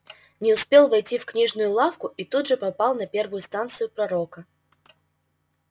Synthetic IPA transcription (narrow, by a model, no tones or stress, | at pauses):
nʲɪʊspʲe̞lˠvɐjtʲifknʲiʐnʊjʊlˠafkʊit̪ud̪ʐɨpɐpalˠnɐpʲe̞rvʊjʊst̪ant̪sɨjʊpɾɐɾokə